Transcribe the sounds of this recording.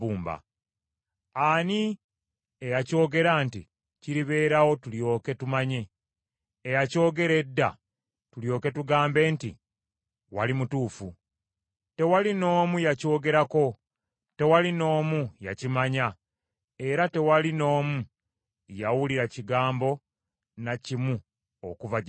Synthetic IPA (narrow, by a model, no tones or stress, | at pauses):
uːmba̰ | ani | ejaco̞ːɡe̞ɾantḭ | ciɾiβe̞ːɾawo̞tuljo̞ːke̞tumaɲe̞ː | jaco̞ːɡe̞ɾe̞dːa̰ | tuljo̞ːke̞tuɡaːmbe̞ːntḭ | wa̰limutuːfu | te̞walino̞ːmujaco̞ːɡe̞ɾako̞ | te̞walino̞ːmuja̰cimaɲa | e̞ɾate̞walino̞ːmu | jawuliɾaciɡaːmbo̞ | nacimu | o̰kuva